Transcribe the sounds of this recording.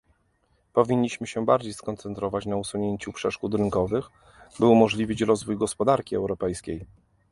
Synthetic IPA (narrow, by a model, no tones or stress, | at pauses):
pɔvʲiɲːiɕmɘɕɛbaɾd͡ʑejskɔnt̪sɛnt̪ɾɔvat͡ɕnausuɲeɲt͡ɕupʂɛʂkut̪ɾɘŋkɔvɘx | bɘumɔʐlʲivʲit͡ɕɾɔzvujɡɔspɔd̪aɾkʲiɛ̰wɾɔpɛjskʲej